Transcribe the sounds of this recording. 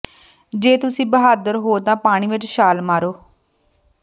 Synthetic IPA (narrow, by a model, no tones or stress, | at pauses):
d͡ʒeːt̪ʊsĩːbəɦaːd̪əɾɦoːt̪ãːpaːɽ̃iːʋɪt͡ʃʃaːlmaːɾoː